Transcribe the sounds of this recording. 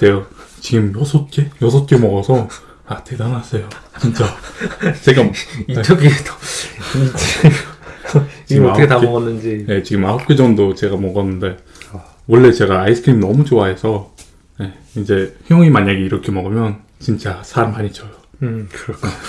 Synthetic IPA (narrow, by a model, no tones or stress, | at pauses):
tejot͡ɕiɡɯmjʌsʰʌt̚k͈e̞jʌsʰʌt̚k͈e̞mʌɡʌsʰʌ | ate̞danas͈ʌjot͡ɕint͡ɕ͈a | t͡ɕeɡait͡ɕʰoɡito | t͡ɕiɡɯmakʰetamʌɡʌnːɯnd͡ʑine̞t͡ɕiɡɯmaʌp̚k͈ʰed͡ʑʌŋdot͡ɕe̞ɡamʌɡʌnːɯnde̞ | wʌɭːe̞t͡ɕe̞ɡaːisʰɯ̥kʰɾimnʌmut͡ɕoaɦe̞sʰʌ | ne̞ | id͡ʑe̞çjʌŋimaɲaɡiːɾʌkʰe̞mʌɡɯmjʌn | t͡ɕint͡ɕ͈asʰaɾmaɲit͡ɕʰʌjokɯɾʰe